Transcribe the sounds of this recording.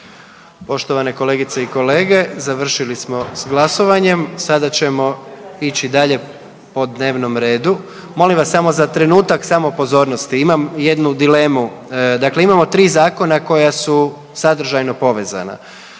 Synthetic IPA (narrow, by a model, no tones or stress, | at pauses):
po̞ʃt̪oʋane̞ko̞le̞ːɡit̪seiko̞le̞ːɡe̞zaʋr̩ʃilismo̞sɡlˠaso̞ʋaɲe̞msad̪at͡ɕe̞mo̞it͡ɕid̪aʎe̞ | po̞d̪ne̞ːʋno̞mɾe̞ːd̪u | mo̞limʋasːamo̞zat̪ɾe̞nuːt̪aksamopo̞zo̞ːɾnost̪iimamje̞d̪nud̪ile̞mud̪akle̞imamo̞t̪ɾiːzaːko̞nako̞jasu | sad̪ɾ̩ʒajno̞po̞ʋe̞za̰na̰